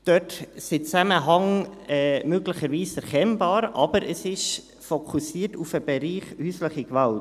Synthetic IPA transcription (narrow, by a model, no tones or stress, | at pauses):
d̥œtsɪt͡sæməɦɑŋɛmøɡləçəɾviːsɛɾkʰɛnbɑːɾʔɑbəɾʔəsɪʃ | fokʰusiːəɾtufəbɛɾiːχhyːsləχəkvɑlt